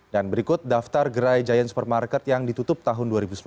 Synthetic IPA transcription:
danbəɾikʊt̪̚daft̪arɡəɾajd͡ʒajansu̥pər̚markɛt̪̚jaŋdit̪ut̪ʊp̚t̪aɦʊnduaɾibusəm

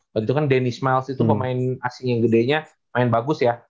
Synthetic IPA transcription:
bət̪it̪ukandenɪsmalsit̪upəmaɪnasɪŋjaŋɡədeɲa | maɪnbaɡʊsja

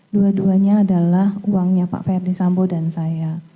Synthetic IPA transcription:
duaduaɲaːdalahuwaŋɲapa̰ʔfɛrdisambodansaja

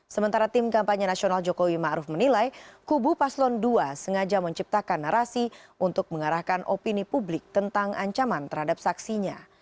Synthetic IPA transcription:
səmənt̪aɾat̪ɪmkampaɲanasionald͡ʒokowimaʔɾufmənilajkubupaslɔnduasəŋad͡ʒaməɲt͡ʃip̚t̪akanːəɾasiʔunt̪ʊk̚məŋaɾahkanʔopinipublɪk̚t̪ənt̪aŋʔaɲt͡ʃamant̪əɾhadap̚saksiɲa

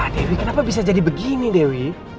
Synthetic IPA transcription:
adɛwikənapabis̬ad͡ʒadibəɡinidɛwi

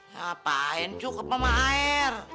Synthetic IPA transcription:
apaɛnt͡ʃukapamaɛr

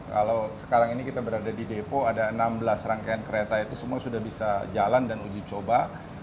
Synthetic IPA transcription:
ka̰lawsə̥kaɾaŋinikit̪abəɾadadidepoadaənambəlasraŋkajankəɾet̪ait̪usəmuasudahbisad͡ʒalandanud͡ʒit͡ʃoba

